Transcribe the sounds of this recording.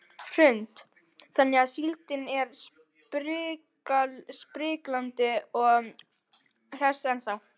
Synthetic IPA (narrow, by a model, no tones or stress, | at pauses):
r̥ʏnt̪ | θanːɛaðsilt̪ɪnɛɾs | pɾɪːkalspɾɪːklant̪ɪɔɣ | r̥ɛsɛnθaw